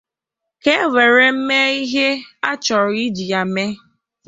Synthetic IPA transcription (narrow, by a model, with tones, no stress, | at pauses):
ke˦we˨ɾe˨m̩˦me˦i˦ɦe˦a˦t͡ʃɔ˨ɾʊ˨i˦d͡ʒi˨a˨me˦